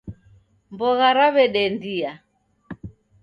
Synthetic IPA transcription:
mbɔɣaɾaβɛɗɛndia

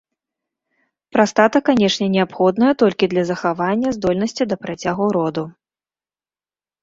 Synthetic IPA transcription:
pɾast̪at̪ɐkanʲɛʂnʲɛnʲɛapxɔd̪nɐjɛt̪ɔlʲkʲid̪lʲɐzɐxavanʲːɐzd̪ɔlʲnɐsʲt͡sʲid̪ɐpɾat͡sʲaɣuɾɔd̪u

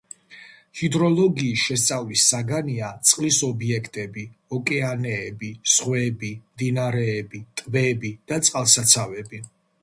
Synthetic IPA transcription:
hid̪ɾɔlˠɔɡiːsʃɛst̪sʼavlisːaɡaniat̪sʼqʼlisɔbiɛkʰt̪ʼɛbiɔkʼɛanɛːbisχwɛbimd̪inaɾɛːbit̪ʼvɛbid̪̥at̪sʼqʼalˠsat̪sʰavɛbi

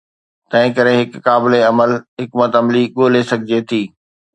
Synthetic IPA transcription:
t̪ɐ̃ɦɪ̃kɐɾeɦɪkːaːbɪleɐməlɦɪkmət̪ɐmliɠoːlesɐɡʱɪd͡ʑet̪ʰiː

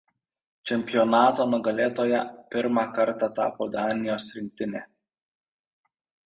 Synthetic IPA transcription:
t͡ʃʲɛmʲpʲɪjɔnɑːt̪oːnʊɡɐlʲeːt̪oːjɛpʲɪɾmɑkɐɾt̪ɑt̪ɑ̰ːpoːd̪ɑːnʲɪjoːsɾʲɪŋʲk̚ʲt̪ʲɪnʲeː

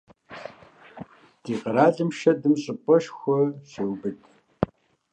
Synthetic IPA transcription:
d̥iːqəɾaːɮɨmʃɐdɨmɕʼɨpʼɔʃxʷɔsɨwbɨtʰʼ

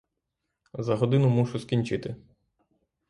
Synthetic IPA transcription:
zɐɦɔd̪ɪnʊmuʃʊskʲinʲt͡ʃɪt̪ɪ

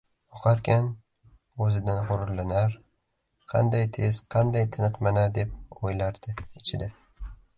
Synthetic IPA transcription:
oqʰɑɾkʲʰan | ɵzɪd̪anχʊɾʊɾlanaɾ | qʰɑ̰nd̪ajt̪ʰe̞z̥qʰɑnd̪ajt̪ʰɪnɨqmanad̪e̞p̚ojlaɾd̪̥ɪɪt͡ʃʰɪd̪ɪ

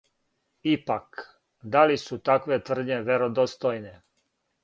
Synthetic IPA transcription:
ipak | d̪alisut̪akʋe̞t̪ʋr̩d̪ɲeʋeɾod̪ost̪ojne

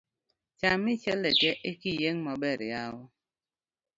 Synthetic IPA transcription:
t͡ʃamit͡ʃɛlɛtɛʔekijeŋmɔbɛɾjawɔ

